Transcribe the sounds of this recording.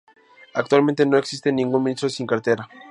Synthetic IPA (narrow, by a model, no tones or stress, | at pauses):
ak̚t̪walmẽnt̪eno̞e̞ksist̪enĩŋɡunmĩnist̪ɾosiŋkaɾt̪eɾa